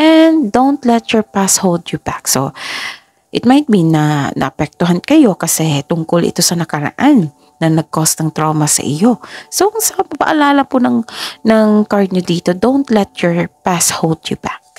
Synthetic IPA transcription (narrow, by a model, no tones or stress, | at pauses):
ʔɛnd̪d̪ownt̪lɛt̪jɔɹpashold̪jʊbakso̞ | ʔɪt̪̚majt̪̚binɐnʔɐ̰ʔɐpɛk̚t̪ʊɦɐnkɐjo̞kɐsɛt̪ʊŋkolʔɪ̰t̪o̞sɐnɐkɐɾɐ̰ʔanː | ɐnɐɡ̚kost̪ɐŋt̪ɾoːmɐsɐ̰ʔɪjo̞sokʊŋsɐpɐpɐ̰ʔɐlaːlɐpʊnɐŋnɐŋkaɹd̪̚ɲod̪iːt̪od̪õwnt̪lɛt̪̚jɔɹpashold̪jʊbak̚